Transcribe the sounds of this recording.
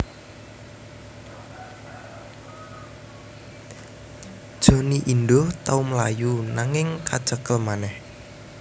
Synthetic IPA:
d̥ʒ̥o̤niʔind̪oht̪aumlajunaŋɪŋkad̥ʒ̥əkəlmanɛh

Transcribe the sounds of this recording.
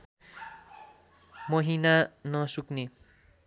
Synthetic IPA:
mʌɦinanʌsukne

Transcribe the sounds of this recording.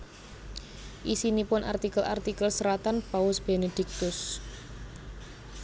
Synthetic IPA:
ʔisinipʊnʔa̰rt̪ikəla̰rt̪ikəlsəɾat̪anpaʊsb̥ened̪̥ɪk̚t̪ʊs

